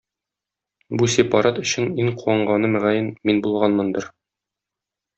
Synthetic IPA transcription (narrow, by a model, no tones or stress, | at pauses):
busʲepɑɾat̪ɵ̆ɕɘniŋquwɑɴɢɑnɤmæʁæjɘnminbulˠʁɑnmɤnd̪ɤɾ